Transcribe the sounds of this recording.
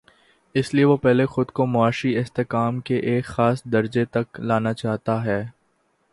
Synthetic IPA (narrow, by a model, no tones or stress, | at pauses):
ɪslieʋopɛɦlexʊd̪komʊaːʃiɪst̪ekaːmkeʔeːkxaːsd̪ɐɾd͡ʒet̪ɐklaːnat͡ʃaːɦt̪aɦɛː